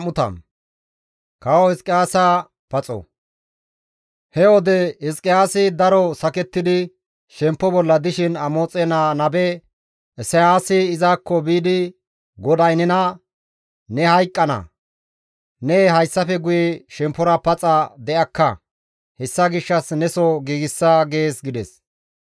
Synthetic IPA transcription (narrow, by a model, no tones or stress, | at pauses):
mʊt̪ɐ̰m | kɐwɔhɪskʼɪjaːsaː | pɐt͡sʼɔ̰ | hɛwɔd̪ɛɪskʼɪjaːsɪd̪ɐɾɔsɐkɛt̪ːɪd̪ɪ | ʃɛmpːɔbɔlːɐd̪ɪʃɪnɐmo̞ːt͡sʼːɛnaːnɐbɛ | ʔɛsɐjaːsɪːzaːkːɔbiːd̪ɪ | ɡɔd̪ɐjnɪnɐ | nɛhɐjkʼːɐnɐ̰ | nɛɦɐjsːɐfɛɡʊjɛʃɛmpːɔɾɐpɐt͡sʼɐd̪ɛʔɐkːɐ | hɛsːɐɡɪʃːɐsnɛsɔɡiːɡɪsːaɡe̞ːsɡɪd̪ɛs